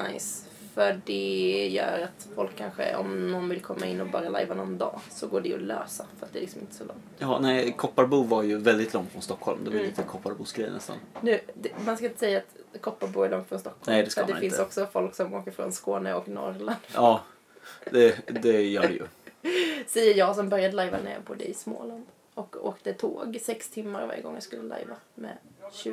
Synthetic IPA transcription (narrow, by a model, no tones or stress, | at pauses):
najs | fœɖɛjœ̰ːɾat̪fɔlkʰːanɧə̰ɔ̰mnɔnvɪlkʰɔmːaɪnːɔbɑːɾala̰jvanɔnd̪ɑːsɔɡoːɖɛɔ̰løːsafœɾat̪d̪ɛːlɪksɔmɪ̰nt̪ə̥sɔlɔ̰ŋttt̪ɑnɛɪkʰɔpːaɾbuːvaɾjɵvɛld̪ɪt̪ʰlɔŋt̪fɾɔnst̪ɔkʰːhɔlmd̪ɛvaj̪iːt̪əkʰɔpːaɾbuːsɡɾɛjənɛst̪a̰nnʉ̟ːd̪ɛmanskaɪnt̪ə̥sɛjːaat̪kʰɔpːaɾbuːjlɔŋt̪fɾɔnst̪ɔkʰːɔnlɛmːd̪ɛskɛd̪ɛnɪɪnsɔksɔfɔlksɔmoːkəɾfɾɔ̰nskoːnəɔknɔ̰ɾland̪̥ɑː | d̪ɛd̪ɛjœːɖɛjɵ̰ | sɛjːəjɑːɡs̬ɔmbœɾjad̪əlajva̰nḛːɾpʰɔd̪ɛ̰ɪsmo̰ːland̪ | ɔko̰ːkd̪ət̪ʰoːɡsɛkst̪ʰɪmːaɾva̰ɾjə̰ɡɔ̰ŋːjɑskɵlːəla̰jvamɛ̰ɕʉ̟ː